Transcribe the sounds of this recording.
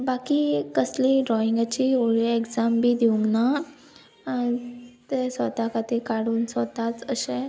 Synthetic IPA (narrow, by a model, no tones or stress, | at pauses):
bakikəsliɖɾɔiŋɡat͡ɕioɭiekd͡zambʱiːd̪iuŋɡna | t̪esʋət̪akat̪ikaɽuːnsʋət̪at͡səɕẽ